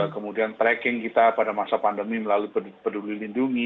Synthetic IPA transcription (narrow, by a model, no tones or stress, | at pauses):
kəmudiant̪ɾɛkɪŋkit̪apadamasapandəmiməlalupəpədulilinduŋi